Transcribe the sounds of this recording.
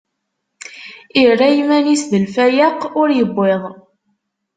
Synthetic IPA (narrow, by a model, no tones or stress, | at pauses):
irːæjmænisðəlfæjaqʊɾjəbːeðˤ